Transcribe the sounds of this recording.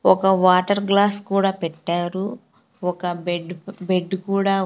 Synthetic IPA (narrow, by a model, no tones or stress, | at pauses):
ɔkɐʋaːʈɐɾɡlaːskuːɽaːpɛʈːaːɾu | ɔkɐbeɖbeɖːkuːɽaː